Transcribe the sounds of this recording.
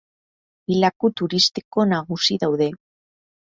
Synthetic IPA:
ilakut̪uɾist̪i̥ko̞naɣusiðawðe̞

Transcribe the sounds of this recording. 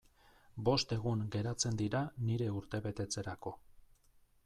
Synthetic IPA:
bo̞st̪e̞ɣuŋɡe̞ɾat͡se̞nd̪iɾaniɾe̞uɾt̪e̞βe̞t̪e̞t͡se̞ɾako̞

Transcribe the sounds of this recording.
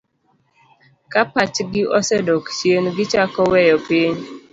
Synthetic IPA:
kapat͡ʃɡɪʔɔsɛdɔkt͡ʃjenɡɪt͡ʃakɔwɛjɔpɪɲ

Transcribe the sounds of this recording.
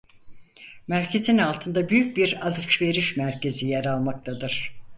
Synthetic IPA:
mæɾcʰe̞zinalˠt̪ʰɯnd̪abyjyc̚biɾad̪ɯt͡ʃve̞ɾiʃmæɾcʰe̞zijeɾalˠmak̚t̪ʰad̪ɯɾ̥

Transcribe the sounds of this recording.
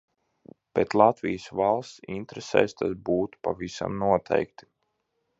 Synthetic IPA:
pet̪lˠat̪vʲijəsvalˠst̪sḭnt̪ɾɛsɛ̰ːst̪asbuːt̪u̥pavisa̰mnuɔt̪ʰɛ̰jkt̪i̥

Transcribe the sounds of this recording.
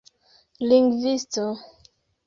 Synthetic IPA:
liŋɡvisto

